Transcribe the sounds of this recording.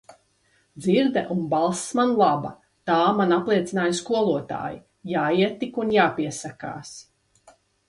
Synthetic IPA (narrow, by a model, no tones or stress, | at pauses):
d̪ziɾd̪ɛʔunbalˠsmanlˠabɐ̰ | t̪aːmanaplˠiɛt̪sinaːjskuɔlˠuɔt̪a̰ːjḭ | jaːiɛt̪ːikunjaːpiɛsaka̰ːs